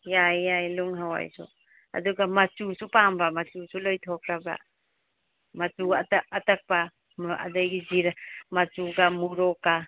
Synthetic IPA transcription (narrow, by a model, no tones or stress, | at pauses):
jajːajluŋɦawa̰jsṵ | a̰duɡamat͡ʃusupambamat͡ʃusulɔjtʰɔkʰɾaba̰ | mat͡ʃuataːtak̚pa | a̰dajɡiziɾamat͡ʃuɡamuɾɔka